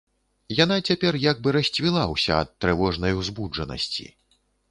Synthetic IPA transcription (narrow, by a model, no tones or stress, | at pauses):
janat͡sʲapʲɛrjaɡ̚bɨɾɐsʲt͡sʲvʲilˠawsʲɐːt̪ːɾɨvɔʐnɐjwzbud͡ʐɐnɐ̰sʲt͡sʲḭ